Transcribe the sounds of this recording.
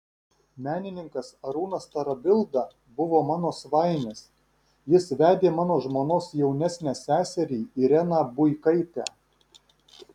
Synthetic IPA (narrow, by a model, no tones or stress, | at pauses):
mʲæːnʲɪnʲɪŋkɐsɐɾuːnɐst̪ɐɾɐbʲɪlˠd̪ɐ | bʊʋoːmɑːnoːsʋɑˑɪnʲeːs | jɪsʋʲæːd̪ʲeːmɑːnoːʒmoːnoːsjɛʊnʲæsʲnʲæːsʲæːsʲɛɾʲiːɪɾʲɛnɑːbʊɪkɐɪt̪ʲæ̰ː